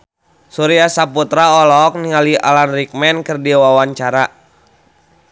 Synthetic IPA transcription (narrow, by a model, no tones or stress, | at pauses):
suɾiasaput̪ɾaɔlɔk̚niŋalia̰lanrik̚mɛnkɨrdiwawaɲt͡ʃaɾa